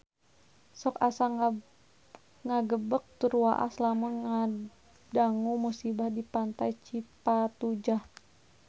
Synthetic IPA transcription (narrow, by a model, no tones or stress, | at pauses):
sɔkasa | ŋaɡəbək̚t̪uɾua̰ʔa̰slamʊnŋa | daŋumusibahdipant̪ajt͡ʃipat̪ud͡ʒah